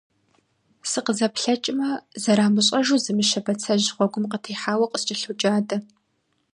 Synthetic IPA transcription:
sɨqəzɐpɬɐt͡ʃʼɪmɐzɐɾaːmɨɕʼɐʒuːzɨmɨʃɐbɐt͡sʰɐʑʁʷɔɡʷʊmqətʰiːħaːwɐqʼəst͡ʃʼɪɬud͡ʒʼaːdɐ

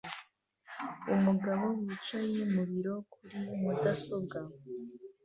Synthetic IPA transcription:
umuɡaβo̞wiːt͡ʃaje̞muβiɾo̞kʰuɾimudaso̞ɡa

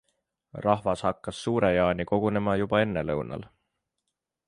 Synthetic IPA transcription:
rɑhvɑshɑkːɑsːuːɾe̞jɑːniko̞ɡ̥une̞mɑjubɑe̞nːe̞lɤwnɑ̰l

